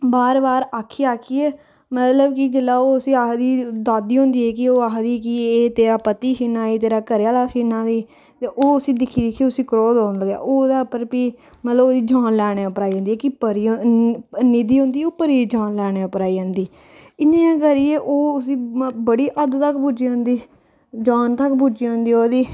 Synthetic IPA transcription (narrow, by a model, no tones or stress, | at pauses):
baːɾbaːɾaːkʰiːaːkʰiːɛː | mət̪ləbkɪd͡ʒəlːaːoːʊsĩːaːɦd̪iːd̪aːd̪iːɦõːnd̪iːɛːkɪoːaːɦd̪iːkɪeːt̪eːɾaːpət̪iːʃinaːiːt̪eːɾaːkəɾjaːlaːsinãːd̪iː | t̪eʔoːəsĩːd̪ɪkʰːiːd̪ɪkʰiːʊsĩːkɾoːd̪ãːnd̪ləɡja̰ːʔoːd̪aːpəɾpiː | mət̪ləboːd̪iːd͡ʒaːnlɛːɽ̃eːʊpɾaːiõnd̪ːɛːkɪpəɾi | nɪd̪iːɦõnd̪iːoːpəɾiːd͡ʒãːnlɛːɽ̃eːʊpɾaːiə̃ːnd̪iː | ɪnẽːãːkəɾiːeːʔoːʊsĩːbəɽiːʔəd̪t̪əkbud͡ʒiːʊ̃nd̪iː | d͡ʒaːnt̪əkbud͡ʒiːõːnd̪iːoːd̪iː